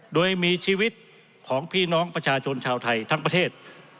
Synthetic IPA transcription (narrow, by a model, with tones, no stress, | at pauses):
doː˧jmiː˧t͡ɕʰiː˧wi˦˥t̪̚ | kʰɔː˩˦ŋpʰiː˥˩nɔː˦˥ŋpɾa˧t͡ɕʰaː˧t͡ɕʰo˧nt͡ɕʰaː˧wt̪ʰa˧jt̪ʰa˦˥ŋpɾa˧t̪ʰeː˥˩t̪̚